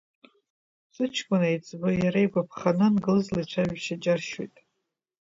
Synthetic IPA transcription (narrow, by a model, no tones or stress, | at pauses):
sɨt͡ʃʰkʷʼʊnajt͡sʼbɨjaɾajɡʷapʰχanɨnɡɨlɨzlat͡ɕʷʰaʒʷᶣʃad͡ʒarʃo̰jtʼ